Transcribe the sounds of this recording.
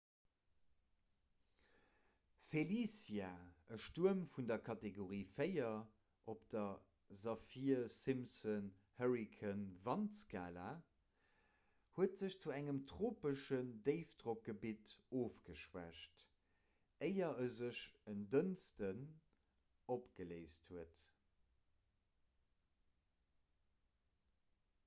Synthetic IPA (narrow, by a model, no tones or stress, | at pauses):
felisjaəʃtuəmfundɐkʰɑteɡoʁiːfəɪɐ | ʔopd̥ɐ | zɑfiɐsimsən | həʁikʰənvɑnsɡa̰ːla | huətz̥əɕt͡suæŋəmtʁoːpəʃəndeɪfdʁok̚ɡ̥əbitoːfɡ̥əʃwæ̰ʃt | əɪɐəzəʃəndənstən | opɡ̥əleɪsthuət